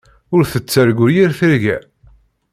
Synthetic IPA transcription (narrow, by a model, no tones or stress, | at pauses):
ʊɾθət͡sːəɾɡʷʊɾjiɾθəɾʝæ̰